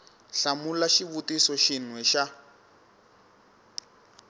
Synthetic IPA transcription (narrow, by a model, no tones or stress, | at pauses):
ɬamulaʃiβutisɔʃin̤wɛʃa